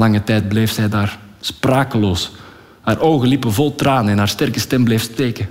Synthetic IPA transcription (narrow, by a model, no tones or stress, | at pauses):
lɑŋətɛjd̚bleːfz̥ɛjdaːr | spraːkəloːs | haːrʔowɣəlipənvɔlˠtraːnəɛnɦaːrstɛrkəstɛmblejfsteːkə